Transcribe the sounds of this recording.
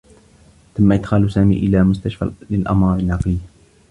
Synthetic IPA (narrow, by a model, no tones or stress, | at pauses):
t̪amːaʔɪd̪xaːlsaːmḭːʔɪlaːmʊst̪aʃfa̰lɪlʔɑ̰mɑːɾˤɪnːɑqlɪj